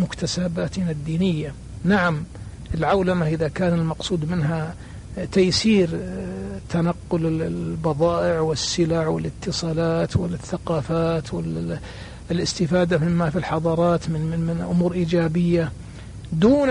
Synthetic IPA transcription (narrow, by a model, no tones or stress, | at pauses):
mʊkt̪asaːbaːt̪nad̪ːiːnɪjːa | naʕam | ʔɪlʕawlamaʔɪðakaːnɪlmɑqsˤuːd̪mɪnɦa | t̪ajsiːɾ | t̪anaqːʊlɪbɑðˤɑːʔɪʕwɪsːɪlaʕwɪlɪt̪ːɨsˤɑːlaːt̪wɪlθːaqɑːfaːt̪wɪl | lʔɪst̪ɪfaːd̪amɪmːafilħɑðˤɑːɾˤɑːt̪mɪɪmɪnʔʊmuːɾʔiːd͡ʒaːbɪjːa | d̪uːn